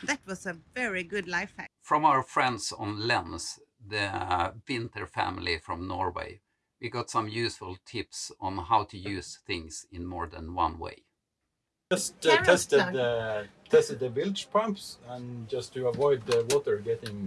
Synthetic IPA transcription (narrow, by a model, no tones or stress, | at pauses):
ðɨt̚wʌzɨvɛɹiɡʊdlaɪfæfɹʌ̃maʊə˞fɹɛ̃ndsn̩lɛ̃mz̥ | ðɨwɪ̃ntə˞fæ̰̃ml̩ifɹʌ̃mnɔɹwḛɪ | wiɡɑtsʌ̃mjʉsfʊl̩ˠtʰɪpsn̩ɦaʊtʰɨjʉz̥θɪ̃ŋsɪ̃nmɔɹðɨ̰̃nwʌ̰̃nwḛɪ | ʌsttʰɛstɨd̪ətʰɛstɨd̪̚ðəbɪlt͡ʃpʰʌ̃mpsə̃nd͡ʒʌstʰɨəvɔɪd̪̚ðəwɔtə˞ɡɛɾɪ̃ŋ